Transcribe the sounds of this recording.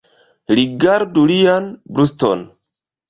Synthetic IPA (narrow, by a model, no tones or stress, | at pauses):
ɾiɡaɾdulijanbɾusto̰n